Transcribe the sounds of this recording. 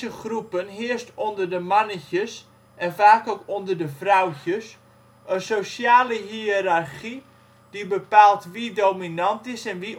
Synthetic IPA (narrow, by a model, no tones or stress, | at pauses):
əχrupənɦɪəstondərdəmanəçəs | ʔɛnfaːkokondərdəfrawcəs | ənsosjaːləɦiɾarχi | d̥ibəpaːlˠtʋidowminantɪsɛnʋi